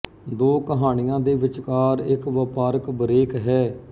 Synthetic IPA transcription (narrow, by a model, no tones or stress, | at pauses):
d̪oːkəɦaːɽ̃ijãːd̪eːʋɪt͡ʃkaːɾɪkʋəpaːɾəkbəɾeːkɦɛː